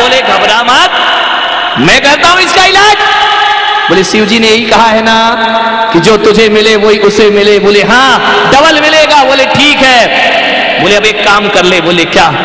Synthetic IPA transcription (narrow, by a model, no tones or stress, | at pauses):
oːleɡʱɐbɾaːmaːt̪̚ | mɛ̃kɛɾt̪aɦũɪskaɪlaːd͡ʒ | boːlesɪʋd͡ʒinejɐɦikɐɦaɦɛna | kid͡ʒoːt̪ʊd͡ʒʱemɪleʋoiʔʊsemɪleboːleɦãːɖɐbəlmɪleːɡaboːleʈʰiːkɦɛː | boːleɐbeːkːaːmkɐɾleboːlekjaː